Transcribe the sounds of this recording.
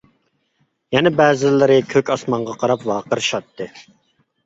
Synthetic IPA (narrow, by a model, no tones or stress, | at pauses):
jɛnɛbɛːzɪlːɪɾɪkʲʰøkʲɑsmɑɴʁɑqʰɑɾɑpwɑːqəɾʃɑt̪ːɨ